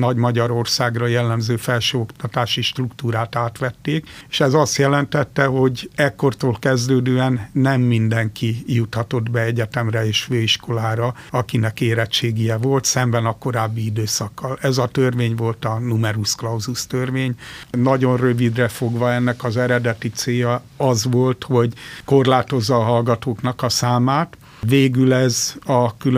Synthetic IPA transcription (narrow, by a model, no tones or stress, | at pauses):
nɒɟmɒɟɒɾo̞rsaːɡrɒjɛlːɛmzøːfɛlʃøːokt̪ɒt̪aːʃiʃt̪rukt̪uːɾaːt̪aːt̪ʋɛt̪ːeːkeːʃɛzɒst̪jɛlɛnt̪ɛt̪ːɛɦo̞ɟɛkːo̞rt̪oːlkɛzd̪øːd̪øːɛnːɛmːind̪ɛŋkijut̪hɒt̪o̞d̪bɛɛɟɛt̪ɛmrɛeːʃføːiʃko̞laːɾɒɒkinɛkeːɾɛt͡ʃːeːɡijɛvo̞lt̪sɛmbɛnɒko̞ɾaːbːiid̪øːsɒkːɒlɛzɒt̪ørveːɲʋo̞lt̪ɒnumɛɾusklɒwzust̪ørʋeːɲnɒɟo̞nrøvid̪rɛfo̞ɡʋɒɛnːɛkɒzɛɾɛd̪ɛt̪it̪seːjɒ | ɒzʋolt̪ho̞ɟko̞rlaːt̪o̞zːɒːɦɒlɡɒt̪oːknɒkɒsaːmaːt̪ | veːɡylɛzɒkylø